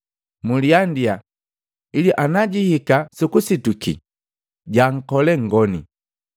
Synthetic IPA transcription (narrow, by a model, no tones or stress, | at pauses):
muliandia | iliʔanaɟihikasukusitukḭ | ɟaŋ̩kɔlɛŋ̩ɡɔnḭ